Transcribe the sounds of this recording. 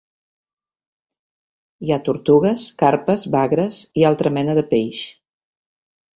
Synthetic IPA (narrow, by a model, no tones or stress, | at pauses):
jat̪uɾt̪uɣəskaɾpəzβaɣɾəzialˠt̪ɾəmɛnəðəpejʃ